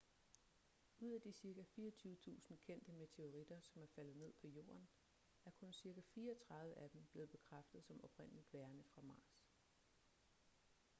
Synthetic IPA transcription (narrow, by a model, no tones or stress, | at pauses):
uð̰ˠæd̥isiɐkæfiːɒt͡sʰuːət͡sʰṵːsn̩kʰen̰d̥əme̝t͡sʰe̝o̝ʁid̥ɐsɒ̽mæɐfæl̰ð̩ˠne̝ð̞̰ˠpʰɒ̽jo̝̰ːɐn | æɐkʰɔ̽nsiɐɡ̥æfiːɐɒt͡sʰʁɑ̈ðˠʋəʔæd̥em̩b̥le̝ːð̩ˠb̥e̝kʰʁafd̥ð̩ˠsɒ̽mɒ̽b̥ʁen̰əlid̥ʋæɐnəfʁɑ̈mɑ̈ːs